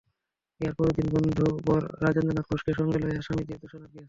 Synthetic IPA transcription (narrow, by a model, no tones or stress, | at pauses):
eaɾpɔɾod̪inbond̪ʱubɔɾːad͡ʑend̪onakʰoʃkeʃɔŋɡeloeɦaʃamid̪id̪oʃonab̪ia